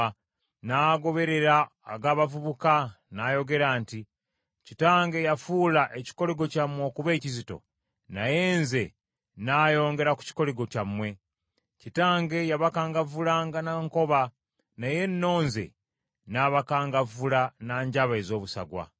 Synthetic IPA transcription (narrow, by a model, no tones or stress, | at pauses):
naːɡo̞βe̞ɾe̞ɾaːɡaːβavuβuka | najo̞ɡe̞ɾaːnti | citaːŋɡe̞jafuːlaʔeci̥ko̞leɡo̞camːwo̞ːkuβe̞ːcizito̞̰ | naje̞ːnze̞ | naːjo̞ːŋɡe̞ɾaku̥ci̥ko̞leɡo̞camːwe̞ | citaːŋɡe̞jaβakaːŋɡavulaːŋɡanaŋko̞βa | naje̞nːo̞ːnze̞̰ | naβakaːŋɡavulanaːɲɟaβaezo̞ːβusa̰ɡwa̰